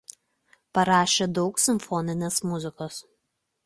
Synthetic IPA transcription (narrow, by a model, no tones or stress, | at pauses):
pɐɾɑːʃʲeːd̪ɒʊksʲɪmʲfɔnʲɪnʲeːsmʊzʲɪkoːs